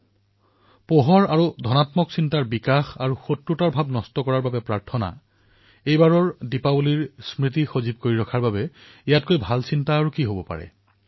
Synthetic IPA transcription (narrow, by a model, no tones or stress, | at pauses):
poɦɔɹaɹudʱɔnatmɔksintaɹbikaxaɹuxotɹutaɹbʱabnɔstɔkɔɹaɹbabɛpɹaɹtʰɔna̰ | ejbaɹɔɹdipaboliɹsmɹit̬ixozib̚koɹiɹɔkʰaɹbabɛ | ijat̚kojbʱalsintaːɹukiɦobɔpa̰ɹɛ̰